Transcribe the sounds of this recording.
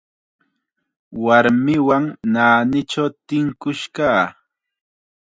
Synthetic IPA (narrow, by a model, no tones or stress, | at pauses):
waɾmɪwaŋnaːnɪʈ͡ʂawt̪ɪŋkʊʃkaː